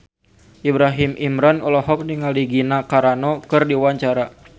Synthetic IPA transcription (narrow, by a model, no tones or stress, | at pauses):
ʔibɾaɦimʔimɾanɔlɔɦɔk̚niŋaliɡinakaɾanɔkɨrdiwaɲt͡ʃaɾa